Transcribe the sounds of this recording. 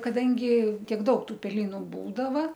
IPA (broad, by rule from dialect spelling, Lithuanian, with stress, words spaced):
kɐˈdɐŋʲɡʲɪ ˈtʲiɛk ˈdɐʊk ˈtuː pʲɛˈlʲiːnʊ ˈbuːdɐʋɐ